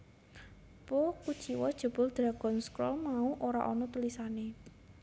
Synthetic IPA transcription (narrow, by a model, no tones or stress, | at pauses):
pokud̥ʒ̥i̤wɔd̥ʒ̥o̤b̥ʊ̤ld̪̥ɾaɡ̥ɔ̤nskɾɔ̰lmauʔoɾa̰ʔɔnɔt̪ulisane